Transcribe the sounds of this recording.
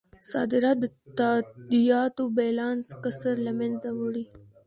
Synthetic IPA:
sɑ̰d̪ɪɾɑt̪̚d̪ə | t̪ad̪ijɑt̪obelɑnskəsaɾlamɛnzawəɽi

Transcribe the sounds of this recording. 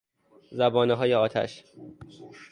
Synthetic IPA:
zæbɒːneɦɒːjeɒːt̪ʰæ̰ʃ

